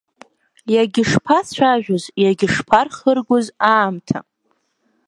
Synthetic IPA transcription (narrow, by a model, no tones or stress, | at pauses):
jaɡʲɪʂpʰat͡sʷʰaʒᶣʷʊzjaɡʲɪʂpʰarχərɡʷozaːmtʰa̰